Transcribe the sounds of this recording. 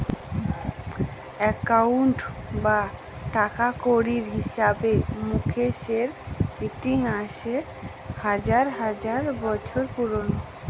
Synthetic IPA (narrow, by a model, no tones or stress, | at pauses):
ɛkauɳʈba | ʈakakoɽiɾɦiʃabemukʰeʃeɾbit̪iɦaʃe | had͡ʑaɾɦad͡ʑaɾbɔt͡ɕʰoɾpuɾono